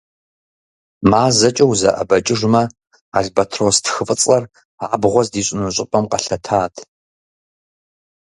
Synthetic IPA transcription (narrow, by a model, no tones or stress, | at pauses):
maːzɐt͡ʃʼɐwzɐ̰ʔɐ̰bɐt͡ʃʼɪʐmɐ | a̰ɮbɐtʰroːstʰxɨfʼɨt͡sʼlɐr | aːbʁʷɔzdiːɕʼɪnuɕʼɪpʼɐmqɐɬɐtʰaːtʰ